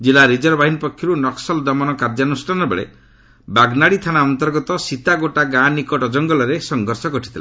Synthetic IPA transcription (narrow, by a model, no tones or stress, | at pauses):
d͡ʒilaɾid͡ʒɔɾbaɦinpɔkʰjɔɾunɔksɔld̪ɔmɔnɔkaɾd͡ʒanusʈʰanɔbḛɭḛ | baɡnaɽit̪ʰanaɔnt̪ɔɾɡɔt̪ɔsit̪aɡoʈaɡãnikɔʈɔd͡ʒɔŋɡɔlɔɾesɔŋɡʱɔɾsɔɡɔʈʰit̪ʰila̰